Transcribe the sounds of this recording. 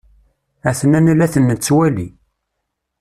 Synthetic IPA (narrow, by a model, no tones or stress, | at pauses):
æθnænælæθənːət͡sːwæli